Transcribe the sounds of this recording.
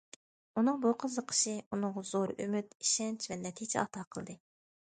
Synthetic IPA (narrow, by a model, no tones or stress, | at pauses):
unɨŋbuqʰəzəqʰə̥ʃɨunɨŋʁɑzoɾy̰myt̪iʃɛnt͡ʃʰvɛnɛt̪ʰijt͡ʃʰɛ̰ɑ̰t̪ʰɑqʰəlˠd̪ɨ